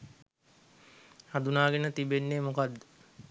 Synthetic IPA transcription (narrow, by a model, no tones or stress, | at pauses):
had̪unaːɡenət̪ibenːemokad̪ːe̥